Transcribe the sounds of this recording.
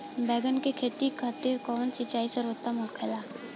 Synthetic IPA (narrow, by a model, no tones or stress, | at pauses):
bɛːɡənkekʰeːt̪ikʰːaːt̪iːɾkɔːnsɪt͡ʃaːiseɾoːt̪amʊlkʰelaː